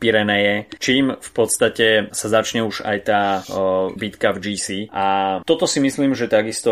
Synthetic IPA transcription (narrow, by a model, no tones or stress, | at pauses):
piɾɛnɛjɛt͡ʃiːmfpɔt̪st̪acɛsazat͡ʃɲɛuʒa̰jt̪aː | bit̪kavd͡ʒiːsiːat̪ɔt̪ɔsimisliːmʒɛt̪aɡist̪ɔ